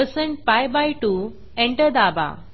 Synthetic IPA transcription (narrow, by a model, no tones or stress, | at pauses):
əɾsẽɳʈ̚fajbajʈu | ẽɳʈəɾd̪aba̰